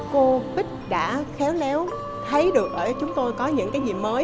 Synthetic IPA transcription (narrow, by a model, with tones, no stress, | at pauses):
ko˧vï˦˥k̟̚ɗa̰ː˧˥xɛ˨˦wlɛ˨˦w | t̪ʰə˨˦jɗɨ˨˩ək̚ʔəː˧˩t͡ɕʊ˨˦ŋ͡mt̪o˧jkɔ˨˦ɲɨ̰˧˥ŋkaː˨˦jzḭ˨˩məː˨˦